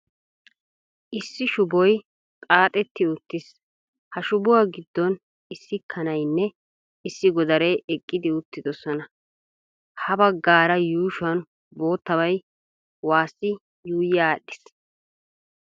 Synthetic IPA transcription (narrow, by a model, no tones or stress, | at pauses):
ʔɪsːɪʃʊbɔj | t̪ʼaːt̪ʼɛt̪ːɪʊt̪ːɪs | hɐʃʊbʊwaɡɪd̪ːɔn | ɪsːɪkʰːɐnɐjnːɛ | ɪsːɪɡɔd̪ɐɾɛʔɛkʼːɪd̪ɪʊt̪ːɪd̪ɔsɔnɐ | hɐbɐɡːaːɾɐjuːʃʊɐn | bo̞ːt̪ːɐbɐj | waːsːɪ | juːjːaːɗːɪs